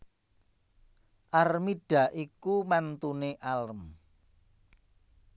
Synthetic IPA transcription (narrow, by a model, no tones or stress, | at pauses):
ʔarmiɖ̥ä̤ʔikumant̪uneʔalm